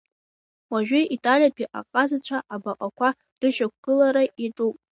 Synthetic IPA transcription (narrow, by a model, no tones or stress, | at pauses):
waʒᶣʏʔitʼalijapʰiʔʼa̰qʼazat͡ɕʷʰaʔabaqʼakʷʰa | d̥ɨʃᶣakʷɡ̥ɨlaɾaʔiʈ͡ʂʼupʼ